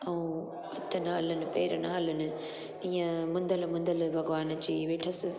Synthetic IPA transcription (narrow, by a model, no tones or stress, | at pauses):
ɐũ | ɐt̪ʰːɐnaːlɐnɨpeːɾɐnaːlɐnɨ | ĩjɐ̃mʊ̃nd̪ɐlmʊ̃nd̪ɐlbʱɐɡʋaːnɐt͡ɕiːʋeːʈʰɐsɨ